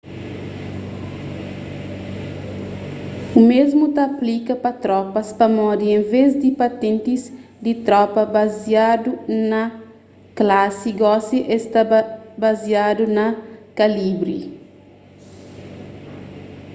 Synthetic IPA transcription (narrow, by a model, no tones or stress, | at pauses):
umezmut̪aːplikɐpɐt̪ɾɔpɐspɐmɔd̪iẽɱvezd̪ipɐt̪ẽnt̪iz | d̪it̪ɾɔpɐbaziad̪unɐ | klasiɡɔsiʔest̪abaziad̪unɐkalibɾḭ